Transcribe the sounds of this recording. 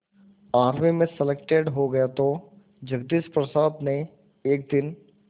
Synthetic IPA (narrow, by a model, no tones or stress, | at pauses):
aːɾmimẽsɛlek̚ʈeːɖɦoɡɐjat̪o | d͡ʒɐɡd̪ispɾɐsaːd̪ne | eːk̚d̪ɪn